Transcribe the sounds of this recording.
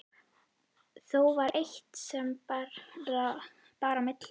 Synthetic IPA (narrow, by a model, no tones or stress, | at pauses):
θowvaɾʔejht̪sɛmaɾɾa | paːɾamɪt̪l